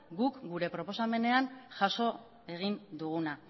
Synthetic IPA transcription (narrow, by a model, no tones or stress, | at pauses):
ɡukɡuɾe̞pɾo̞po̞same̞ne̞anʝaso̞ | e̞ɣ̞ind̪uɣuna